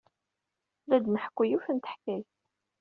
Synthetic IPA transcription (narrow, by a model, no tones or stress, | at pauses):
læd̪məħkʷːijufənt̪ə̥ħkːæj